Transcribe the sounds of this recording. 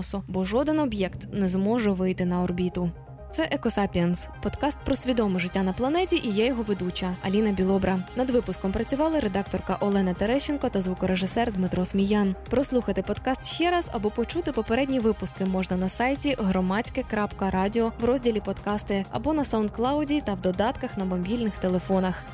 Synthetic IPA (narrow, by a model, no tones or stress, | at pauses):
sʊbɔʒɔd̪ɪnɔbjɛkt̪nɛzmɔʒɛʋɪjt̪ɪnɐɔrbʲit̪ʊ | t̪sɛʔɛkɔsɑpʲiɐnspɔd̪kɑst̪̚pɾɔsʲʋʲid̪ɔmɪʐɪtʲːanɐplˠɐnɛtʲiʔijɛjɔɦɔʋed̪ut͡ʃɐɐlʲinɐbʲilˠɔbɾɐnɐd̪ʋɪpʊskɔmpɾɐt͡sʲʊʋɑlˠɪɾed̪ɑk̚t̪ɔrkɐʔɔlˠɛnɐt̪eɾɛʃɪnkɔt̪ɐzʋukɔɾeʒɪsɛrd̪mɪt̪ɾɔsmʲijɑnpɾɔslˠuxɐt̪ɪpɔd̪kɑst̪ʃt͡ʃɛɾɑzɐ̰bɔpɔt͡ʃut̪ɪpɔpeɾɛdʲnʲiʋɪpʊskɪmɔʐnɐnɐsɑjtʲiɦɾɔmɑt͡sʲkɪkɾɑpkɐɾɑdʲiɔwɾɔzʲdʲilʲipɔd̪kɑst̪ɪɐ̰bɔnɐsaʊnd̪̚klˠɑwdʲit̪ɐwd̪ɔd̪ɑt̪kɐxnɐbɐmbʲilʲnɪxt̪elˠefɔnɐx